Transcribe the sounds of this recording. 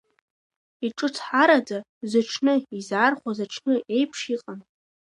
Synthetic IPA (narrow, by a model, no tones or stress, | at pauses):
iʈ͡ʂʼɨt͡sʰħaɾada | zaʈ͡ʂʰnɨizaːrχʷazaʈ͡ʂʰnɨʔe̞jpʰʂiqʼan